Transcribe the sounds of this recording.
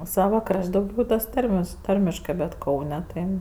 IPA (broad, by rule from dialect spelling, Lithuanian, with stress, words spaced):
ˈsɑːʋɐ ˈkrɐʃʲtʲ dɐʊˈɡʲɛʊ tɐs ˈtɐrʲmʲɛs ˈtɐrʲmʲɪʃkɜ bʲɛt ˈkɐʊnʲɛ tɐɪ